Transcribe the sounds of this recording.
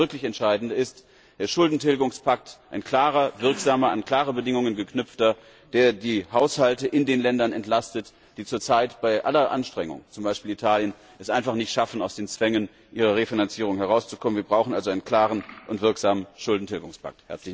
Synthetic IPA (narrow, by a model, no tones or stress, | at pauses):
ɪɐklɪçɛntʃaɪdn̩dəɪst | d̥eːɐʃʊldn̩tɪlɡʊŋspʰak̚tʔaɪnkl̥aːʁɐvɪɐkz̥aːmɐʔankl̥aːʁəbədɪŋʊŋənɡəknʏftɐ | d̥eːɐdiːhaʊshaltəʔɪndeːnlɛndɐnɛntlastət | d̥iːt͡suːɐt͡saɪtb̥aɪʔalɐʔanʃtʁ̥ɛŋʊ̰ŋt͡sʊmbaɪʃpiːlitʰaːljən | ʔɛsʔaɪnfaχnɪçtʃafn̩aʊsd̥eːnt͡sv̥ɛŋən | ʔiːʁɐʁeːfinant͡siːʁ̞ʊŋhɛʁ̞aʊst͡su̥kʰɔmənviːɐbʁaʊxn̩ʔa̰lzoʔaɪnənkl̥aːʁənʔʊntv̥ɪɐkz̥aːmənʃʊldn̩tʰɪlɡʊŋspʰa̰k̚thɛɐt͡slɪç